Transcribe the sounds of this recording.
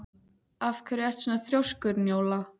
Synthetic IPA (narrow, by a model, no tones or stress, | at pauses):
afkʰvɛɾjɛr̥t̪sɛnaθɾjowskʏɾnjoːwla